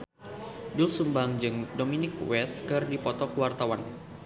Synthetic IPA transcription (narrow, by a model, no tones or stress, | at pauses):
dʊlsumbaŋd͡ʒɨŋdominɪk̚wɛskɨrdipɔt̪ɔkəwart̪awan